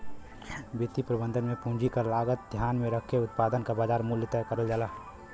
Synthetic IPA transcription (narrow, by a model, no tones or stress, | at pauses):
bɪt̪ipɾəbə̃nd̪ʱənmẽpũːɲd͡ʒikalaːɡət̪̚d̪ʱjaːnmẽɾəkʰːeʊt̪̚paːd̪ənkabaːd͡ʒaːɾmuljət̪əkəɾəld͡ʒaːlaː